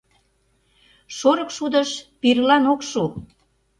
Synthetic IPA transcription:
ʃoɾə̆kʃud̪əʃpirlɑnokʃu

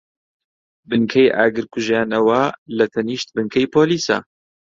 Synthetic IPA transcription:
bɨŋkʰɐjʔa̰ːɡɨɾkʰuʒjaːnɐwɐlɐt̪ʰɐniːʃt̪̚bɨŋkʰɐjpʰoːliːsɐ̰

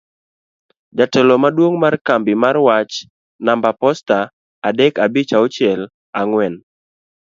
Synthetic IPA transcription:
d͡ʒatɛlomadwoŋmarkambimarwat͡ʃ | nambapɔstaː | dɛkabit͡ʃaot͡ʃɛl | aŋwɛn

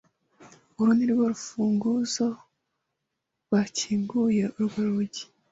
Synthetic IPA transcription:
uɾuniɾɡwoɾufuːŋɡuzo | βaciːŋɡuje̞ʔuɾɡweɾuɟi̥

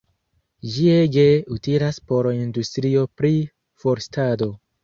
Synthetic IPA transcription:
d͡ʒieɡe̞utiɾaspo̞ɾindustɾio̞pɾi | fo̞ɾstado̞

